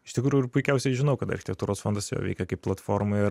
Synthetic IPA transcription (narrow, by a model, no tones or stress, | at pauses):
ɪʃʲt̪ʲɪkɾuːjʊɪɾpʊɪkʲɛʊsʲɛɪʒʲɪnɐʊkɐt̪ɐɾʲxʲɪt̪ʲɛkt̪uːɾoːsfoːnd̪ɐsjo̰ːʋʲɛ̰ɪkʲɛkɐɪpːlˠɐt̪foːɾmɐɪ